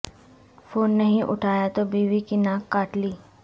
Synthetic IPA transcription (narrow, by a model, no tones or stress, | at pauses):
foːnːɐɦĩʔʊ̰ʈʰaːjat̪obiːʋikinãːkːaːʈliː